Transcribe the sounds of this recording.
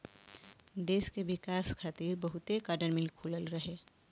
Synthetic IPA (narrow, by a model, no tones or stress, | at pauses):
d̪eːskeʋɪkaːskʰaːt̪iːɾbəɦʊt̪ekaːɖənmilkʰuːləlɾəɦe